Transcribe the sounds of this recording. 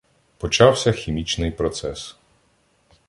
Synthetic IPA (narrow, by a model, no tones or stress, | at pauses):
pɔt͡ʃɑwsʲɐxʲimʲit͡ʃnɪjpɾɔt̪sɛs